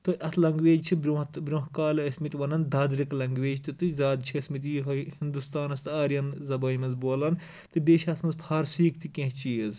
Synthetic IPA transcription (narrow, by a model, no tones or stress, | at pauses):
t̪ɨʔɐt̪ʰlɐŋɡʋeːd͡ʒt͡ʃʰibɾʲut̪bɾʲõɦkaːlɐɐsmit̪ʲʋɐnɐnd̪aːd̪ɾiklɐŋɡʋeːd͡ʒt̪ɨt̪ɨzaːd̪t͡ʃʰiɐsmit̪ɦhind̪ust̪aːnɐst̪ɨaːɾʲjɐnzɐbɐːjmɐzboːlɐn | t̪ɨbʲeːʃɐt̪ʰmɐnzfʰaːɾsiːkt̪ɨkʲẽɦt͡ʃiːɐz